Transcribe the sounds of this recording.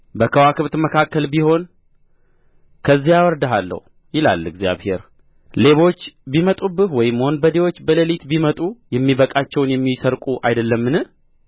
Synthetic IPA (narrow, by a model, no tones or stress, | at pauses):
bəkʰəwakʰɨβt̪məkʰakːəlbiho̞n | kʰəzːijawɔɾd̪aɦalːə̰hu | jɪla̰lːɨɡzja̰βhe̞ɾ | le̞βo̞t͡ʃːbimət̪ʼubɨhwɔjɪmːho̞nbəd̪ewo̞t͡ʃːbələlit̪bimət̪ʼujɛmːibəkʼat͡ʃːɛwnjɛmːisəɾkʼuʔa̰jd̪əlːəmːɨnɨ